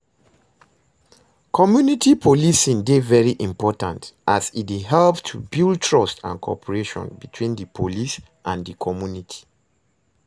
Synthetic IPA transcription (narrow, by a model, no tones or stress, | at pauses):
kʰɔmjunitʰipʰolisĩndevɛɹiʔĩmpɔtã̰ntʔasit̚iɦɛlptʰubild̚tʰɹɔstã̰nkʰɔ̰pʰəɹeʃɔ̰̃nbitʰwĩndəpʰolis | ʔãndəkʰɔmjunitʰi̥